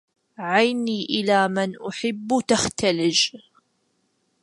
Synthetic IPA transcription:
ʕajniːʔɪlaːmɪnʔʊħɪbːt̪axt̪alɪd͡ʒ

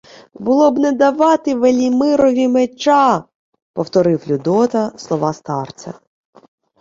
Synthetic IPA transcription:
bʊlˠɔbnɛd̪ɐʋɑt̪ɪʋelʲimɪɾɔʋʲimet͡ʃɑ | pɔwt̪ɔɾɪwlʲʊd̪ɔt̪ɐslˠɔʋɑst̪ɑrt͡sʲɐ̰

